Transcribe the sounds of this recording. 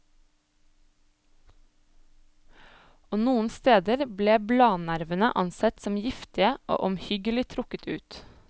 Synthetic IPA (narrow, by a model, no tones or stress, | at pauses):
oːnuːən̩st̪eːd̪əɾbleːblɑːnæɾʋənə̰ʔɑnsɛt̪sɔmjɪft̪ɪəʔo̰ːʔɔmhʏɡəlɪt̪ʰɾʊkət̪ʰʉ̰ːt̪